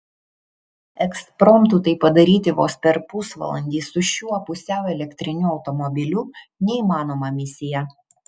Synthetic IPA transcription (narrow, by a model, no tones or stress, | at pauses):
ɛkspɾɔmt̪ut̪ɐɪpɐd̪ɐɾʲiːt̪ʲɪʋo̰ːspʲɛɾpʊsʋɐ̰lˠɐ̰nʲd̪ʲiːsʊʃʲuːɔpʊsʲɛˑʊɛlʲɛkt̪ʲɾʲɪnʲuːɒʊt̪ɔmɔbʲɪlʲuː | nʲɛiːmɑːnoːmɑmʲɪsʲɪjɛ